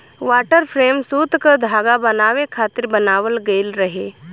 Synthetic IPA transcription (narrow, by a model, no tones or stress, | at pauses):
ʋaːʈəɾpʰɾeːmsuːt̪kəd̪ʱaːɡabɐnaːʋekʰaːt̪ɪɾbɐnaːʋəlɡəɪlɾɐɦeː